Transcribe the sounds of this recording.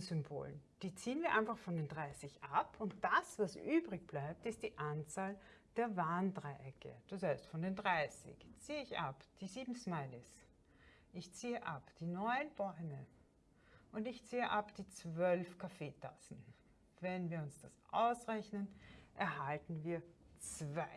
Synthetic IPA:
zʏmbo̰ːlnd̥iːt͡siːənviːɐʔãɪnfaχfɔndeːndʁaɪsɪçʔapʰʊnt̚d̥asvasʔyːbʁɪçb̥laɪp̚tɪst̚d̥iːʔant͡saːld̥eːɐvaːndʁaɪʔɛkʰə̰d̥ashaɪstfɔndeːndʁaɪsɪ̰çt͡siːəɪça̰pd̥iːziːbm̩smaɪlɪs | ʔɪçt͡siːəʔapd̥iːnɔʏənb̥ɔʏmə | ʔʊndɪçt͡siːəʔapd̥iːt͡sv̥œlfkʰafeːtʰasn̩ | vɛnviːɐʊnsd̥asʔa̰ʊsʁɛçnənʔɛɐɦaltn̩viːɐt͡sv̥aɪ

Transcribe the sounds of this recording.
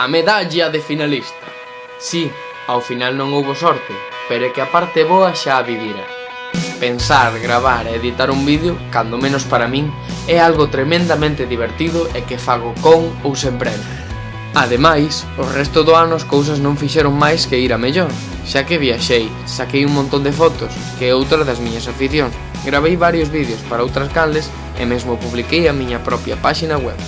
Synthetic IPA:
ameðaʎɐðɪfinalist̪ɐ | si | awfinalnõŋowβʊsɔɾt̪ɪ | peɾʊɛkɪapaɾt̪ɪβoɐʃaːβiβjiɾɐ̰ | pensaɾɣɾaβaɾeːðit̪aɾumbiðjokand̪omẽnʊspaɾamĩŋ | ɛalɣʊt̪ɾemẽnd̪amẽnt̪ɪðiβ̞eɾt̪iðʊʔɛkɪfaɣʊkoŋowsempɾɛne | aðemajs | ʊrɛst̪ʊðʊanʊskows̬ɐznõŋfiʃɛɾʊŋmajskɪiɾɐmeʎɔɾ | ʃakɪβiaʃej | sakejuŋmõnt̪õnd̪ɪfɔt̪ʊs | kɪowt̪ɾɐðɐzmiɲɐsafiθjoŋs | ɡɾaβejβaɾjozβiðjʊspaɾɐowt̪ɾɐskand̪ɪs | ɪ̰mezmʊpuβlikejɐmĩɲɐpɾɔpjɐ̰paʃinɐɣwɛ̰β

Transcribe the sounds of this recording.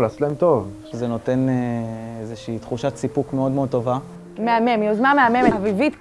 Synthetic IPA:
laːslemt̪ovʃezeno̞t̪e̞neezeʃiːt̪χuʃat͡sipukmeo̞d̪meod̪̚t̪ova | meame̞miozmameamemeavivit̪

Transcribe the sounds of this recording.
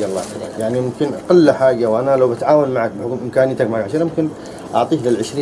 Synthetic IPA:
alˤːɑ̰ːɑ̰jaʕnimʊmkɪnqɑlːaħaːd͡ʒawʔanalawbat̪ʕaːwanmaʕak̚bɪħʊkumʔɪmkaːnɪjt̪akmaʕaɡʕaʃiːɾˤmʊmkɪn | ʔɑʕt̪ˤiːklɪlʕɪʃɾiː

